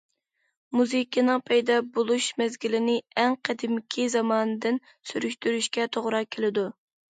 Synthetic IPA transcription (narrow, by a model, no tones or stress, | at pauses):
muzɨkʲʰinɨŋpʰɛjd̪ɑbolˠuʃmɛzɡʲilɪnɪɛŋqʰɛd̪ɪmkʲʰizɑmɑːnɨd̪ɪn | syɾykʲt̪yɾyʃkʲɛt̪ʰoʁɾɑkʲʰelɪd̪u